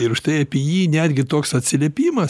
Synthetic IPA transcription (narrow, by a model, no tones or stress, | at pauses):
ɪɾʊʃt̪ɐɪɐpʲijiːnʲæːd̪ʲɡʲɪt̪oːksɐt̪ʲsʲɪlʲeɛpʲiːmɐs